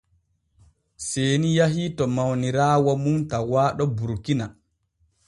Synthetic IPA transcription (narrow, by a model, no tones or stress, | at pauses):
seːnijaɦitɔmawniɾaːwamuntawaːɗɔbuɾkina